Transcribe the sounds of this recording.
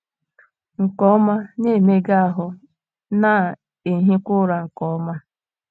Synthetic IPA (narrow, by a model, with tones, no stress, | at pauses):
ŋ̩˨kɔ˦ma˦ne˦˨me˦ɡa˦a˦ɦʊ˦ | na˦˨ | e˨ɦi˦kʷʊ˦ɾa˨ŋ̩˨kɔ˨ɔ˦ma˦